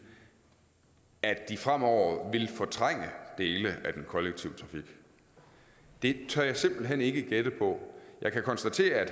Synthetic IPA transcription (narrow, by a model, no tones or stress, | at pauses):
æd̥d̥ifʁam̰ɒʊ̰ɐʋe̝lfɒt͡sʰʁaŋ̰əd̥e̝ːləʔæd̥enkʰɒ̽leɡ̥̚t͡sʰiʊt͡sʰʁɑ̈fiɡ̥ | d̥e̝t͡sʰɶɐjɑ̈ɪse̝m̰b̥l̩ɦene̝ɡ̥əɡ̥ed̥əpʰɒ̽jɑ̈ɪkʰækʰɒ̽nsd̥æt͡sʰe̝̰ːɐæd̥